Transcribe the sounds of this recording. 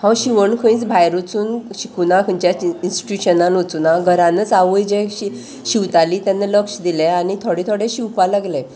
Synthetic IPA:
hãwɕiʋəɳkʰəĩt͡sbʱajɾut͡suːnɕikunakʰəɲt͡ɕjainsʈi̥ʈjuɕənanut͡sunaɡʱəɾãnət͡saʋəjd͡ʑẽi | ɕiwt̪aliːt̪janːaləkʂd̪ileanit̪ʰoɽit̪ʰoɽeɕiwpalaɡle

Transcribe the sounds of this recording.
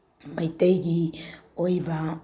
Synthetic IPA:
majtejɡiojva

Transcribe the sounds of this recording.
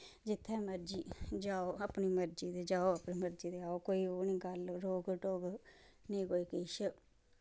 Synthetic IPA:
d͡ʒɪt̪ʰːɛːməɾd͡ʒiːd͡ʒaːoːapniːməɾd͡ʒiːd̪eːd͡ʒaːoapniːməɾd͡ʒiːd̪eːaːoːkoːiːoːniːɡəlɾoːɡʈoːɡnĩːkoːiːkɪʃ

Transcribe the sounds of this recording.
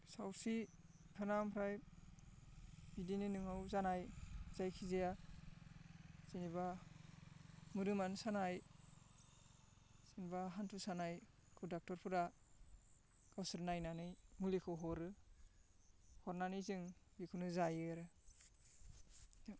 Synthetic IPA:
sawsi | pʰanampʰɾaj | bidinɯnɯŋawzanajz̥ajkʰizeja | ziniba | muɾɯmansanaj | sinibaɦantʰusanaj | kʰɯwdak̚tɔɾpʰɯɾa | kawsɯɾnajnanɯjmulikʰɯɦɔɾɯ | hɔɾnanɯjzɯŋbikʰunɯzajɯɾɯ

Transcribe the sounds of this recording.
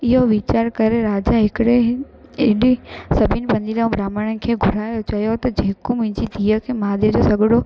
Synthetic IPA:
ɪɦoʋɪt͡ɕaːɾkɐɾeɾaːd͡ʑaɦɪkɪɽe | ɪɗɪsɐbʱɪnpɐ̃nd̪ilãũbɾaːməɽ̃əkʰeːɡʱʊɾaːjot͡ɕɐjot̪ɐd͡ʑeːkomʊ̃ɦɪ̃ɲd͡ʑid̪ʱiːəkʰemaːd̪ed͡ʑosɐɡʱɪɽo

